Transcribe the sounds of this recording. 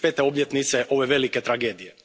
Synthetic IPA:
peːt̪eo̞bjet̪nit̪seʔo̞ʋeʋe̞liket̪ɾaɡeːd̪ije

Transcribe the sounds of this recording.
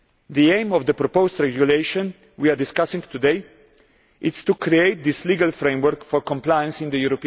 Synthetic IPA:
d̪iẽɪ̃mɔvd̪əpɾɔpostɹɛɡjuleɪʃɔ̃n | wiadɪskasĩŋt̪ud̪eɪ | ɪtst̪ukɾieɪt̪̚d̪isliɡalfɾẽj̃mwəɾkfɔɾkɔ̃mplajə̃nsĩnd̪əjuɾɔpi

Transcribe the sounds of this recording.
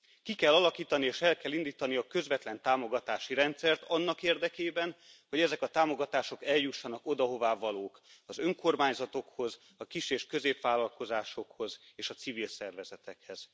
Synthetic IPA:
kikɛlːɒlɒkiːt̪ɒnieːʃɛlkɛlːind̪iːt̪ɒniɒkø̞zvɛt̪lɛnt̪aːmo̞ɡɒt̪aːʃiɾɛnt̪sɛrt̪ɒnːɒkeːrd̪ɛkeːbɛnho̞ɟɛzɛkɒt̪aːmo̞ɡɒt̪aːʃo̞kɛljuʃːɒnɒkod̪ɒɦo̞vaːvɒloːkɒzø̞ŋko̞rmaːɲzɒt̪o̞kho̞z | ɒkiʃeːʃkø̞zeːpʋaːlɒlko̞zaːʃo̞kho̞zeːʃɒt̪sivilsɛrvɛzɛt̪ɛkhɛz̥

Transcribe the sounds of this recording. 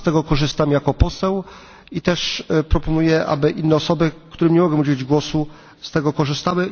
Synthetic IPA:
t̪ɛɡɔkɔʐɘst̪amjakɔpɔsɛw | it̪ɛʂpɾɔpɔnujɛʔa̰bɘʔinːɛɔsɔbɘkt̪uɾɘmɲɛmɔɡɛmud͡ʑed͡ʑɡwɔsu | st̪ɛɡɔkɔʐɘst̪awɘ

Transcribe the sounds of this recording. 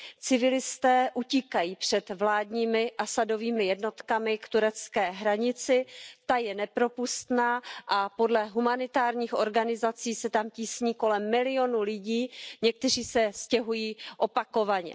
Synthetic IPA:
t͡sɪvɪlɪst̪ɛːʔuciːkajiːpr̝̥ɛd̪vlaːdɲiːmɪʔasado̞viːmɪjɛdno̞t̪kamɪkt̪uɾɛt͡skɛːɦɾaɲɪt͡sɪt̪ajɛnɛpɾo̞pust̪naːʔapo̞dlɛɦumanɪt̪aːɾɲiːxo̞ɾɡanɪzat͡siːsɛt̪amciːsɲiːko̞lɛmːɪlɪo̞nulɪɟiːɲɛk̚t̪ɛriːsɛscɛɦujiːʔo̞pako̞vaɲɛ̰

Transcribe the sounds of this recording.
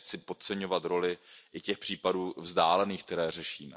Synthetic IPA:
t͡sɪpot̪̚t͡sɛɲo̞vat̪ɾo̞lɪʔɪcɛxpr̥iːpaduːvzdaːlɛniːxk̚t̪ɛɾɛːr̝ɛʃiːmɛ̰

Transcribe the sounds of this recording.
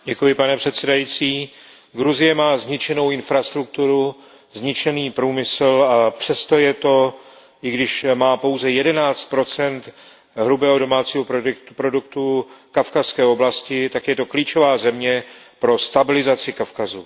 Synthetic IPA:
ɟɛkujɪpanɛpr̝̥ɛt̪sɛdajiːt͡siː | ɡɾuzɪjɛmaːzɲɪt͡ʃɛno̞wɪnfɾast̪ɾuk̚t̪uɾu | zɲɪt͡ʃɛniːpɾuːmɪsl̩apr̝̥ɛst̪o̞jɛt̪o̞ | ɪɡdɪʃmaːpo̞wzɛjɛdɛnaːt͡st̪̚pɾo̞t͡sɛnt̪ | ɦɾubɛːɦodo̞maːt͡siːɦopɾokt̪upɾo̞dukt̪ukafkaskɛːo̞blascɪt̪akjɛt̪o̞kliːt͡ʃovaːzɛmɲɛ | pɾo̞st̪abɪlɪzat͡sɪkafkazṵ

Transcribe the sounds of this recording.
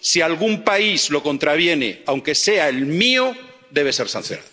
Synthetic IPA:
sialɣumpaizlo̞ko̞nt̪ɾaβ̞je̞nḛawŋke̞se̞aelmio | d̪e̞β̞e̞se̞ɾsã̰n̟θjona̰ðo

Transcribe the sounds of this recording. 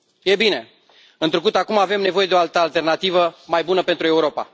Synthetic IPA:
je̞bine̞ | ɨnt̪ɾuk̬ut̪akumave̞mne̞vo̞je̞d̪o̞alt̪əalt̪e̞rnat̪ivəmajbunəpe̞nt̪ɾueuɾo̞pa̰

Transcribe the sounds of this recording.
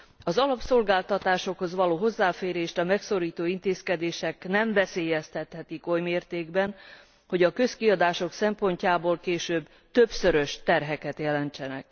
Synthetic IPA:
ɒzɒlɒpso̞lɡaːlt̪ɒt̪aːʃo̞kho̞zʋɒloːɦo̞zːaːfeːɾeːʃt̪ɒmɛkso̞ɾiːt̪oːint̪eːskɛd̪eːʃɛknɛɱvɛseːjɛst̪ɛt̪hɛt̪iko̞jmeːrt̪eːɡbɛn | ho̞ɟɒkø̞skiɒd̪aːʃo̞ksɛmpo̞ɲcaːboːlkeːʃøːb | t̪ø̞bsøɾø̞ʃt̪ɛrɦɛkɛt̪jɛlɛnt͡ʃɛnɛ̰k

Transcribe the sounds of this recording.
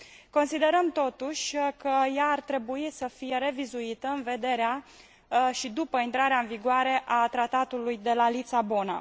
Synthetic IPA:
ko̞nsid̪e̞ɾəmt̪o̞t̪uʃʲkəjaːrt̪ɾe̞buisəfije̞ɾe̞vizuit̪əɨnve̞d̪e̞ɾea | ʃid̪upəint̪ɾaɾeaɨnviɡoʊaɾe̞ʔat̪ɾat̪at̪ulujd̪e̞lalit̪sabo̞na̰

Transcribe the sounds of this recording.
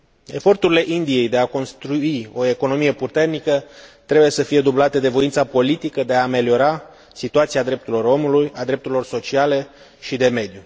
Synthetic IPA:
e̞fo̞rt̪uɾile̞ʔind̪ije̞jd̪e̞ako̞nst̪ɾuio̞e̞ko̞no̞mije̞put̪e̞rnikət̪ɾebuje̞səfije̞d̪ublat̪e̞d̪e̞vo̞int̪sapo̞lit̪ikəd̪e̞aːme̞lio̞ɾa | sit̪uat̪siad̪ɾe̞p̚t̪uɾilo̞ɾo̞mulujad̪ɾept̪uɾilo̞rso̞t͡ʃiale̞ | ʃid̪e̞me̞d̪ju

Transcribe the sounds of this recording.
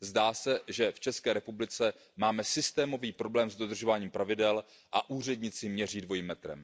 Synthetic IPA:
zdaːsɛʒɛft͡ʃɛskɛːɾɛpublɪt͡sɛ | maːmɛsɪst̪ɛːmo̞viːpɾo̞blɛːmzdo̞d̪r̩ʒo̞vaːɲiːmpɾavɪdɛl | ʔaʔuːr̝ɛdɲɪt͡sɪmɲɛr̝iːdvo̞jimːɛt̪ɾɛ̰m

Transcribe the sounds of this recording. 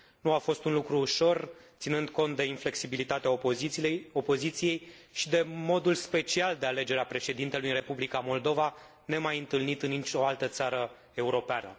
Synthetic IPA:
nuafo̞st̪unlukɾuːʃo̞rt̪sinɨnd̪ko̞nt̪̚d̪e̞infle̞ksibilit̪at̪ea | o̞po̞zit̪sije̞jʃid̪e̞mo̞d̪ulspe̞t͡ʃiald̪eale̞d͡ʒe̞ɾeapɾe̞ʃe̞d̪int̪elujɨnrepublikamo̞ld̪o̞va | ne̞majɨnt̪ɨlnit̪ɨnːit͡ʃʲo̞alt̪ət̪saɾə | e̞uɾo̞peanə̰

